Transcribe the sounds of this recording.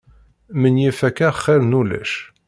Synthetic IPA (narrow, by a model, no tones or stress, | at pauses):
mənjifækːæχːæɾnulæ̰ʃ